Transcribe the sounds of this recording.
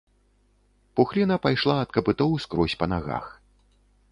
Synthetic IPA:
puxlʲinɐpajʂlˠaɐt̪̚kɐpɨt̪ɔwskɾɔsʲpɐnaɣa̰x

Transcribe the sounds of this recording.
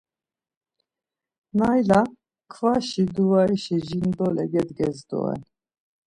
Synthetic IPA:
nɑjla | kʰvɑːʃid̪uwɑɾiʃɛʒind̪oːlɛɡɛd̪ɡɛzd̪o̰ɛ̰n

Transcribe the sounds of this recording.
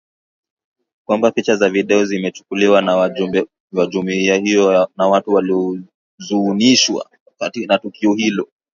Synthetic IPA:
kwambapit͡ʃazaviɗɛɔzimɛt͡ʃu̥kuliwan | wad͡ʒumiahiɔnawatuwaliɔ | zuːniʃwa̰ | anatukiɔhilɔ

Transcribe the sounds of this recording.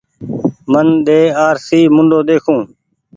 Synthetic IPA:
mənɗ̪eːaːɾsiːmʊɳɖoːd̪eːkʰũː

